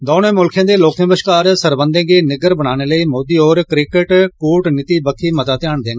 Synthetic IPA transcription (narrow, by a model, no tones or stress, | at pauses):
d̪ɔːnẽːmʊlkʰẽːd̪eːloːkə̃bəʃkaːɾsəɾbənd̪ẽːɡeːnɪɡəɾbəɽaːneːləiːmoːd̪iːoːɾkɾɪkəʈkuːʈnɪt̪iːbəkʰːiːmət̪aːt̪jaːɳd̪ẽːɡː